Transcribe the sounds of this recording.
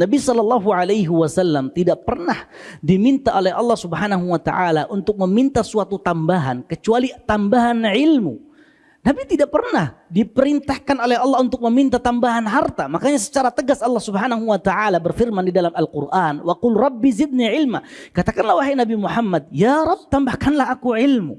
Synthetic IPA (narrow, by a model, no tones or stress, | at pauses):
nabisɔlːɑlːɑɦuʕalajɦiwasalːamt̪idaʔpərnahdimint̪aʔolɛhɑlːɑhsubəɦanaɦuwat̪a̰ʔalaʔunt̪ʊk̚məmint̪asuat̪ut̪ambaɦankət͡ʃualit̪ambaɦanʕɪlmṵ | nabit̪idaʔpərnahdipəɾint̪ahkanolɛɦɑlːɑhunt̪ʊk̚məmint̪at̪ambaɦanɦart̪amakaɲasə̥t͡ʃaɾat̪əɡasɑlːɑhsubəɦanaɦuwat̪aʕalabərfirmandidalamalqurʔanwaqʊlrɑbːizɪd̪̚niʕɪlma̰kat̪akanlahwaɦejnabimuħamːad̚jaɾɑb̚t̪ambahkanlahakuʕɪlmṵ